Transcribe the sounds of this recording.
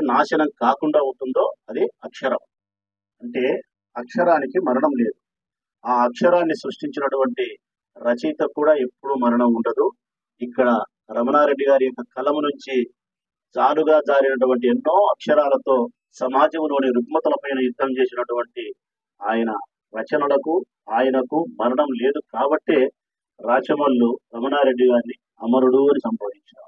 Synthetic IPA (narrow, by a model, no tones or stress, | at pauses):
naːʃɐnɐmkaːkuɳɖaːunt̪und̪o̞ːɐd̪iɐkʂɐɾɐm | ɐɳʈe̞ː | ɐkʂɐɾaːnikimɐɾɐɳɐmle̞ːd̪u | aːɐkʂɐɾaːnːisɾɐʂʈiɲt͡ʃinɐʈuʋɐɳʈi | ɾɐt͡ʃijt̪ɐkuːɽaːe̞pːuɽumɐɾɐɳɐmuɳɖɐd̪u | ikːɐɽɐ | ɾɐmɐnaːɾe̞ɖːiɡaːɾijɔkːɐkɐlɐmunuɲt͡ʃi | d͡ʒaːluɡaːd͡ʒaːɾinɐʈ̬uʋɐɳʈ̬ienːo̞ːɐkʂɐɾaːlɐt̪o̞ː | sɐmaːd͡ʒɐmnoːniɾukmɐt̪ɐlɐpɐjnɐjud̪ːɐmt͡ʃe̞ːsinɐʈuʋɐɳʈi | aːjɐnɐ | ʋɐt͡ʃɐnɐlɐku | aːjɐnɐkumɐɾɐɳɐmle̞ːd̪ukaːbɐʈːe̞ː | ɾaːt͡ʃɐmɐlːuɾɐmɐnaːɾe̞ɖːiɡaːɾni | ɐmɐɾuɽuɐnisɐmbaːd̪iɲt͡ʃa̰ːmu